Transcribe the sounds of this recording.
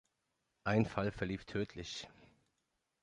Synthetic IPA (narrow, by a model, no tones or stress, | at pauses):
ʔaɪnfalfɛɐliːftʰøːtʰlɪç